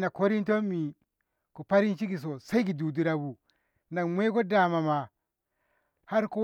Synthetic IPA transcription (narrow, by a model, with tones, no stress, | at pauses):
na˨ko˦ɾi˦nto˦mi˨ | ku˨pa˦ɾi˦nt͡ʃi˦ki˨s̬o˨sa˦i˦ɡi˨du˨du˦ɾa˨bu˨ | na˨ŋmʷ˦e˦ko˦da˨ma˨ma˨ | ha˦ɾko˦